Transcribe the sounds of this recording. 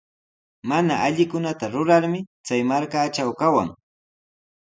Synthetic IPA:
manaʔaʎɪkʊnat̪aɾʊɾaɾmɪt͡sajmaɾkaːt͡ʃawkawa̰ŋ

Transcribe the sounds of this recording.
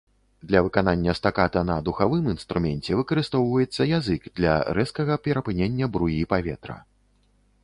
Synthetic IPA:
d̪lʲɐvɨkananʲːɐst̪akat̪ɐnɐd̪uxavɨminst̪ɾumʲɛnʲt͡sʲɛvɨkɐɾɨst̪ɔwvɐjɛt̪sːɐjazɨkd̪lʲɐ̰ɾɛskɐɣɐpʲɛɾɐpɨnʲenʲːɐbɾujipavʲɛt̪ɾɐ̰

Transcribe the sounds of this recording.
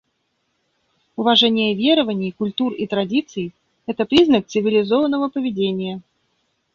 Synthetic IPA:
ʊvɐʐɛnʲɪjəvʲe̞ɾəvənʲɪjkʊlʲt̪urḭt̪ɾɐdʲit̪sɨj | ɛt̪əpɾʲiznək̚t̪sɨvʲɪlʲɪzovənːəvəpəvʲɪdʲenʲɪjə

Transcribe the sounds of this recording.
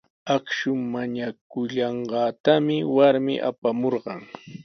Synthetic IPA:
akʃʊmaɲakʊʎɑɴɢɑːt̪amɪwaɾmɪ̰ʔa̰pamoɾɢɑŋ

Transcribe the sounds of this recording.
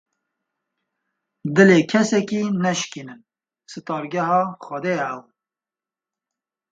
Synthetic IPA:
d̪ɨleːkʰɛsɛkiːnɛʃkinɨn | sɨt̪ɑːɾɡɛhɑːxʷɛd̪ejɛɛw

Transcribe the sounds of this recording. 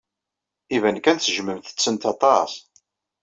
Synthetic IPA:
ivænkænθʒməmθə̥t͡sːənt̪ɑt̪ˤɑs

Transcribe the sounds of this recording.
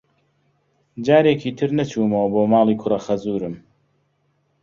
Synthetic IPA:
d͡ʒaːɾeːkiːt̪ʰɨɾnɐt͡ʃʰuːmɐwɐboːmaːlˠiːkʰʊrɐxɐzuːɾɨm

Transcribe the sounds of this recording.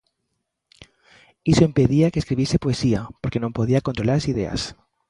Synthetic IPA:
isoempeðiakeːskɾiβisepoesiapoɾkenõmpoð̞iakont̪ɾolaɾasiðea̰s

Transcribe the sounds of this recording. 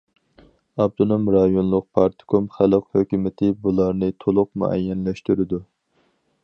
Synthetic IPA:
ɑb̚t̪ʰonomɾɑjonlˠʊq̚pʰɑɾt̪ʰɪ̥kʰomχæləqhøkʲymɪt̪ʰɪbulˠɑɾnɨt̪ʰolˠʊq̚mṵʔɛ̰jːɛnlɛʃt̪yɾɪd̪u

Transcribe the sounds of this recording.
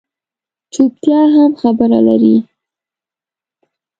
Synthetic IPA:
t͡ʃup̚t̪jɑɦamxabəɾa̰la̰ɾi

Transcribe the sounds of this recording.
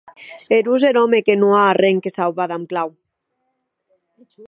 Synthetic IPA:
eɾuzenomekenuaːreŋkesawβaðamklaw

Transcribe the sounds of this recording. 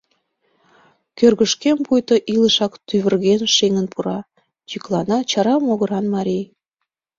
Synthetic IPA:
kørɣəʃkempujt̪oʔiləʃɑkt̪yβərɣenʃeŋənpuɾɑ | t͡ɕiklɑnɑt͡ɕɑɾɑmoɣəɾɑnmɑɾʲij

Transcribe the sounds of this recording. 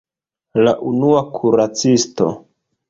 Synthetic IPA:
laʔunuakʰuɾat͡sisto̞̰

